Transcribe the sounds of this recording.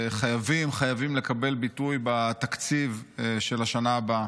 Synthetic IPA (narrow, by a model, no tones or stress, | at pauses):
χajavimχajavimle̞kabe̞lbit̪ujbat̪akt͡sivʃelaʃanaːba